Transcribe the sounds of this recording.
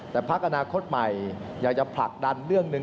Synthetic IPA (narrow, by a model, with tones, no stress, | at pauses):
t̪ɛː˨˩pʰa˦˥k̚ʔa˧naː˧kʰo˦˥t̪̚ma˨˩jjaː˨˩k̚t͡ɕa˨˩pʰla˨˩k̚da˧nɾɯ˥˩əŋnɯ˨˧